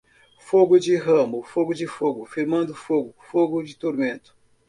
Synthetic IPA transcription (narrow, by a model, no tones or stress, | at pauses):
foɡʊd͡ʒɪɦɐ̃mʊfoɡʊd͡ʒɪfoɡʊfiɾmɐ̃nd̪ʊfoɡʊfoɡʊd͡ʒɪt̪oɾmẽnt̪ʊ̥